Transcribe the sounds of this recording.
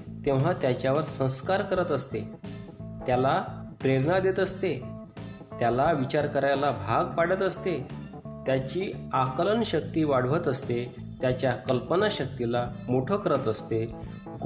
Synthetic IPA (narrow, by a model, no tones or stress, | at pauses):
t̪ẽʋ̤at̪jat͡ɕjaʋəɾsə̃w̃skaɾkəɾət̪əst̪e | t̪jalapɾeɾnad̪et̪əst̪e | t̪jalaʋit͡ɕaɾkəɾajalabʱaɡpaɽət̪əst̪e | t̪jat͡ɕiːakələɳɕək̚t̪iːʋaɽ̤ʋət̪əst̪e | t̪jat͡ɕjakəlpənaɕək̚t̪ilamoʈʰəkəɾət̪əst̪e | ɡ